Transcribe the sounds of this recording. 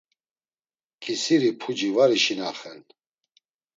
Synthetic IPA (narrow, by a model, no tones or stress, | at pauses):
kʰʼisiɾipʰud͡ʒivaɾiʃinaχɛn